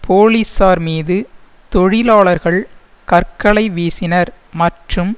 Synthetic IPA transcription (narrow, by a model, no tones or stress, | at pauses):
pʰoːlisaːɾmiːðɯ | t̪ɔɻɪlaːɭɐɾɣɐɭ | kɐɾkɐɭɐɪʋeːsɪnɐɾ | mɐʈrɯm